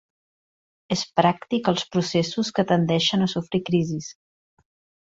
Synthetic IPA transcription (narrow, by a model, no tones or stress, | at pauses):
espɾak̚t̪ikəlˠspɾusesuskət̪ənd̪ɛʃənəsufɾikɾizis